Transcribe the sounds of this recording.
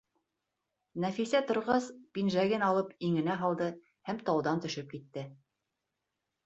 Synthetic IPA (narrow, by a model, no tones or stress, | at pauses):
næfisæt̪ŏɾʁɑspinʒæɡɘnɑlˠɤpiŋɘ̆næɦɑlˠd̪ɤ | hæmt̪ɑwd̪ɑnt̪ɵ̆ʃɘp̚kit̪ːɘ